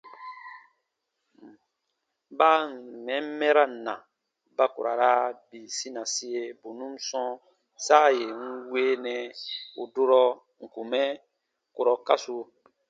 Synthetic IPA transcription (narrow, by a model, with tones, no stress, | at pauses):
ba˦˨mɛ̃˨˦m˦mɛ˦ɾa˦˨nã̰˨ | ba˦ko˨ɾa˨ɾa˦bi˨si˦nã˨si˦je˦bo˨nũ˦m˦sɔ̃˦ | sa˦˨je˨ŋ̩˦we˦nɛ̃˨u˨do˦ɾɔ˦ | ŋ̩˨ku˨mɛ˦ | ko˨ɾɔ˨ka˦so˨